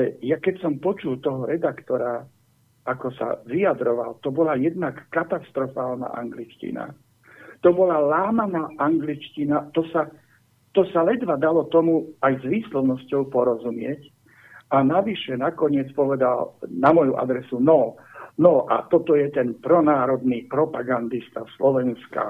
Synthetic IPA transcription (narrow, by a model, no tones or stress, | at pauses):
lɛjakɛcsɔmpɔt͡ʃult̪ɔɦɔɾɛd̪akt̪ɔɾa | akɔsa̰ʋiad̪ɾɔʋa̰lt̪ɔbɔlajɛd̪nakːat̪ast̪ɾɔfaːlna̰ʔa̰ŋɡlit͡ʃcḭna̰ | t̪ɔbɔlalaːmanaːʔaŋɡlit͡ʃcinat̪ɔsa | t̪ɔsalɛd̪ʋad̪alɔt̪ɔmuajzʋiːslɔʊnɔscɔʊpɔɾɔzumɪɛc | anaʋiʃɛnakɔɲɪɛt͡spɔʋɛd̪alnamɔjuʔa̰d̪ɾɛsunɔ | nɔʔa̰t̪ɔt̪ɔjɛt̪ɛnpɾɔnaːɾɔd̪niːpɾɔpaɡand̪ist̪aslɔʋɛnska̰